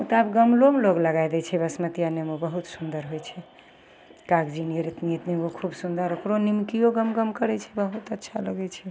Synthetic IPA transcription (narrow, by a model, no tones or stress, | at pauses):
ut̪abɡəmlomloɡləɡajd̪ɛt͡ʃʰɛbəsmət̪ijanemobəɦut̪sund̪əɾɦojt͡ʃʰɛ | kaɡd͡ʒiniəɾit̪niet̪niokʰubsund̪əɾokɾonimkijoɡəmɡəmkəɾɛt͡ʃʰɛbəɦut̪ətːʃʰaləɡɛt͡ʃʰɛ